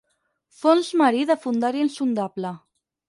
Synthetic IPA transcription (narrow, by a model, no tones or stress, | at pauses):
fonzmaɾiðəfund̪aɾiinsund̪aβlə